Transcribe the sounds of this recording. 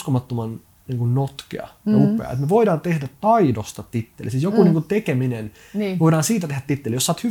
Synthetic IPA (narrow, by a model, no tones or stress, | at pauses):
komɑt̪ːomɑn | niːŋkunnot̪kḛɑ̰upˑḛɑ̰ḛt̪meʋoidɑːnt̪ehdætt̪ɑidost̪ɑt̪it̪ːelisiːt̪jokuniːŋkunt̪ekeminen | oidɑːnsiːt̪æt̪ehdæt̪ːit̪ːelijosːɑːt̪hy